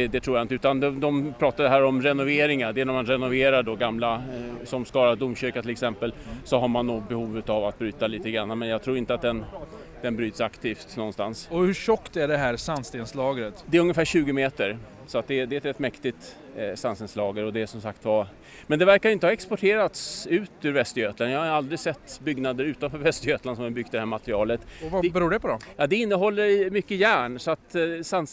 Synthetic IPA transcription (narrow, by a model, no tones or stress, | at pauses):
d̪ɛt̪ʰɾuːɾjaɪnt̪əʉ̟ːt̪and̪ɔd̪ɔmpʰɾɑːt̪aɾɛɦæːɾɔmɾɛnʊveːɾɪŋaɖ̪ɛɛnæmanɾɛnʊveːɾaɖɔɡamlasɔmskɑːɾad̪ʊmːɕʏɾkat̪ʰɪlɛksɛmpəlsɔɦaɾmanːuːbɛhuːvʉt̪avat̪̚bɾyːt̪aliːt̪əɡɾanːamɛnjɑɡt̪ʰɾuːɾɪnt̪əat̪̚d̪ɛn | d̪̥ɛnbɾyːt̪sakt̪ʰiːft̪nɔnst̪a̰nsɔhɵɕɔkːt̪æɖɛɦæɾsanst̪eːnslɑːɡəɾət̪d̪ɛɾɵŋjəfæːɾɕʉ̟ːɡəmeːt̪əɾ | sɔat̪̚d̪ɛd̪ɛɛt̪ɾɛt̪mɛkt̪ɪt̪ | sansɪnslɑːɡəɾɔd̪ɛːʂɔmsakt̪va | mɛnd̪ɛvæɾkaɾɪnt̪əhɑɛkspɔʈʰeːɾat̪sʉ̟ːt̪ʉɾvɛst̪ʏøːt̪land̪jɑːhaɾald̪ɾɪsɛt̪ːbʏɡnad̪əɾʉ̟ːt̪anfœːɾvɛst̪ʏøːt̪lansɔmvɛbʏk̚t̪d̪ɛhæːɾmat̪ɾɪɑːlət̪ɛbɛɾuːɖɛpʰɔd̪ɔjɑːd̪ɛɪnːəɦɔlːəɾmʏkːəjæːɳsɔat̪san